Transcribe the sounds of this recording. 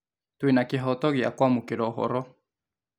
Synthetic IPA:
t̪uinakeɦot̪oɣia̰kʷamukeɾoɦo̰ɾo

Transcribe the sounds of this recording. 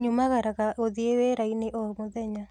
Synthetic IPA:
ɲumaɣaɾakaoðieweɾainɪʔɔmoðɛɲa

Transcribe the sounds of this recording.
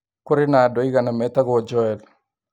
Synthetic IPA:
kʊɾɪnaːdɔiɡanamɛtaɡɔd͡ʒɔɛl

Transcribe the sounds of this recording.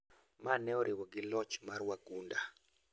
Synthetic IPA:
manɛɔɾʔɪwɔɡɪlɔt͡ʃmaɾwaɡunda

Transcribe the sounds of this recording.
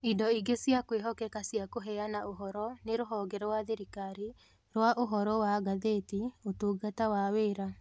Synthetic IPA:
idɔiɡesiakweɦɔkɛkasijakoɦɛanaoɦɔɾɔneɾoɦɔːɡɛɾɔwaðeɾikaɾi | ɾwaʔoɦɔɾɔwaɡaðeːtiotuːɡatawaweːɾa

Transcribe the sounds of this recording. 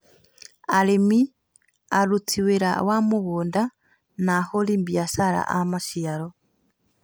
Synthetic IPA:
alemi | aɾut͡siweɾa̰wamuɣuːnda | naholimbjasaɾa̰ʔamaʃiaɾo

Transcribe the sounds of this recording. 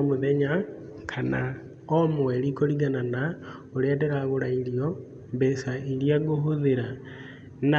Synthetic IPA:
moðɛɲa | kʰana̰ | ɔmoɛɾikɔɾiɣanana | oɾeadɛɾaɣoɾaiɾiɔ | mbɛsaiɾiaɣoɦoðeɾa | na

